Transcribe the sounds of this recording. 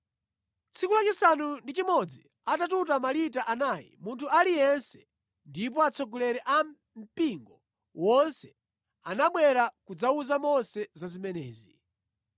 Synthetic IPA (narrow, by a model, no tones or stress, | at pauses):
t͡sʰikulat͡ʃisanundit͡ʃimɔd͡zi | atat̬utamalitaʔanaːjḭmuntʰualijɛnsɛ̥ | ndip̬ɔat͡sʰɔɡɔlɛɾɛʔam | m̩piŋɡɔ | wɔnsɛ | anaɓwɛɾakud͡zauzamɔnsɛzazimɛnɛ̰ːzi